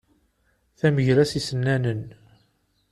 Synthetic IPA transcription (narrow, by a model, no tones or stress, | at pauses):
θæməʝɾæsisənːænən